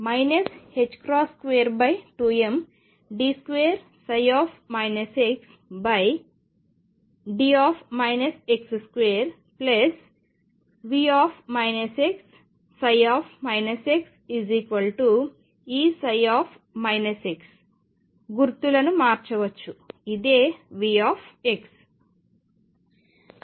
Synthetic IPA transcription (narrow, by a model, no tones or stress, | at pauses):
mɐjnɐshed͡ʒkɾɔːskʋeːɾbɐjʈuːem | ɖiːskʋeːɾ | sɐjɔːpʰmɐjnɐseks | bɐj | ɖiːaːpʰmɐjnɐseksskʋeːɾ | ples | ʋiːaːpʰmɐjnɐseksː | ɐjaːpʰmɐjnɐseksiziːkʋɐlʈu | iːsɐjaːpʰ | mɐjnɐseks | ɡuɾt̪ulɐnumaːɾt͡ʃɐʋɐt͡ʃːuid̪eːʋiːaːpʰeks